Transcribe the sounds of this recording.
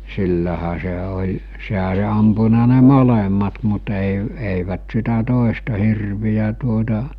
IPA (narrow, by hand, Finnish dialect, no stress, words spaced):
silːæhæ se olʲ seɦæ olʲ ɑmpunɑ ne molemːɑt mut eˑi eˑiʋæt sitæ toˑestɑ hirʋijæ tuotɑ